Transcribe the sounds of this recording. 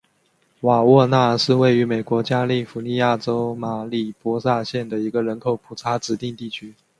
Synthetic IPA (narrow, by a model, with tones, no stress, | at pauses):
wa˨˩wɔ˥˧na˥˩ʂɻ̩˥˧we˥˩ɪy˧˥me˨˩ɪkwɔ˧˥t͡ɕja˥li˥˩fu˧˥ni˥˧ja˥˩ʈ͡ʂo˥ʊma˨˩li˨˩pwɔ˥sa˥˧ɕjɛ˥˩nd̪ə˩i˧˥ɡə˨ɻə˧˥nkʰo˨˩ʊpʰu˨˩t͡sʰa˧˥ʈ͡ʂɻ̩˧˥t̪i˥˧ŋt̪i˥˩t͡ɕʰy˥